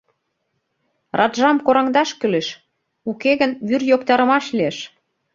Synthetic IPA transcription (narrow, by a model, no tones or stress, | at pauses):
rʔɑt̪ʒɑmkoɾɑŋd̪ɑʃkyleʃ | ukeɣə̆nβyrjokt̪ɑɾə̆mɑʃlieʃ